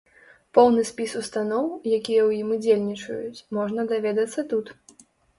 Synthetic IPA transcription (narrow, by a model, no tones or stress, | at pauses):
pɔwnɨsʲpʲisust̪anɔwjakʲijɐwjimud͡zʲelʲnʲit͡ʂɐ̰jut͡sʲmɔʐnɐd̪avʲɛd̪ɐt̪sːɐt̪ut̪